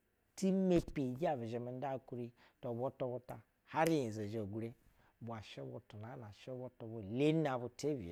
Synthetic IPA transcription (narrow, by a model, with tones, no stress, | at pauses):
ti˦me˦pi˨ɡʲi˦a˨bi˨ʒe˨mi˨n˦da˦˨ku˦ɾi˦ | to˨bo˦to˦bo˦ta˨ | ha˦ɾi˦ji˨ze˨ʒe˨ɡɾe˦ | bʷa˨ʃe˦bo˧tu˨na˨˦na˨ʃe˦bo˦to˨bo˨le˦n˦a˨bu˨te˦bḭ˨